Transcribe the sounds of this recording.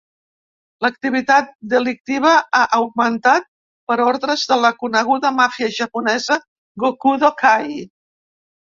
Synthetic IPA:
lək̚t̪iβ̞it̪at̪̚d̪əlik̚t̪iβ̞əaʔəwɡ̚mənt̪at̪̚ | pəɾɔɾðɾəzðələkunəɣ̞uðəmafiəʒəpunɛzə | ɣokuðokʰaj

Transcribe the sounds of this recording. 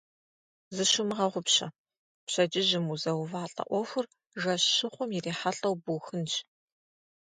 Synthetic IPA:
zɨʃʊmɨʁɐʁʷʊpɕɐ | pɕɐd͡ʒɪʒɪmuzɐwvaːɬʼɐ̰ʔʷɔxʷʊr | ʒɐʃɨχʷʊmjireːħaɬʼɐwbuːxɨnt͡ʃʼ

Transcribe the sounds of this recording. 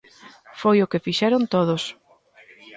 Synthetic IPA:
fojʊkɪfiʃɛɾʊnt̪oðʊs

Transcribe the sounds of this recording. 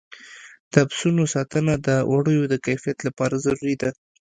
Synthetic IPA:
d̪̥əabsunosɑt̪ənad̪əwʔaɽəjod̪əkajfijat̪lapɑɾazaɾuɾid̪a

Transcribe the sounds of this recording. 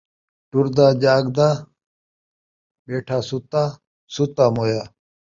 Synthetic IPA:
ʈuɾd̪aːd͡ʑaːɡd̪aː | beːʈʰaːsut̪aː | sut̪aːmoːjaː

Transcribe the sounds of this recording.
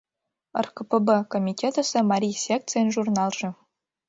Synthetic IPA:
ə̰rkəpəbəkomʲitʲet̪əsʲĕmɑɾʲijsʲek̚t̪t͡sɨjnʒurnɑlˠʐɘ̆

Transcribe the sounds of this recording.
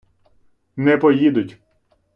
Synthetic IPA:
nɛpɔjid̪ʊtʲ

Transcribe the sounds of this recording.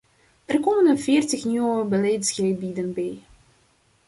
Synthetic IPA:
ɛrkoːmənəfɪːrtəxnywəbəlɛjtsɣəbidənbɛj

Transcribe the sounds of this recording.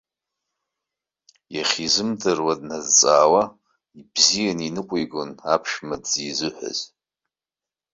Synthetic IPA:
jɛχʲizɨmdɨrwɐdnɐzt͡sʼaːwɐ | ibzijɛninɨqʷʼijɡʷʊnaːpʰʃmɐdz̥iːzɨħʷʊ̰z

